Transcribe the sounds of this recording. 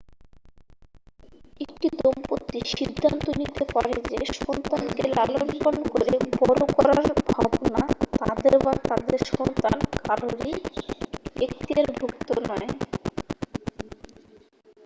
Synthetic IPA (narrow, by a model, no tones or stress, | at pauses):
ek̚ʈid̪ompot̪ːiʃid̪ʱːant̪onit̪epaɾed͡ʑeʃɔnt̪ankelalonkonkoɾebɔɾokɔɾaaɾbʱabnat̪ad̪eɾbat̪ad̪eɾʃɔnt̪ankaɾoɾi | ekt̪ieɾbʱukt̪onɔe